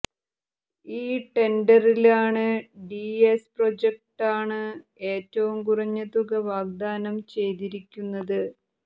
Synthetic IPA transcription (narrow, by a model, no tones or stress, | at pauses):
iːʈe̞ɳɖɐrilaːɳɨɖiesprod͡ʑek̚ʈaːɳɨe̞ːtːɐʋumkurɐɲːɐt̪uɣɐʋaːɡ̚d̪aːnɐmt͡ɕe̞jt̪iɾikʲːunːɐðɨ